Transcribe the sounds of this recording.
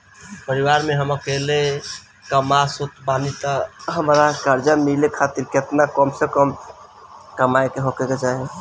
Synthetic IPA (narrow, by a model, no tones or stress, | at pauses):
pəɾiwaɾmeɦəməkele | kəmasut̪banit̪əɦəmɾakəɾd͡ʒamilekʰat̪iɾket̪nakəmsekəm | kəmajkeɦokeked͡ʒaɦe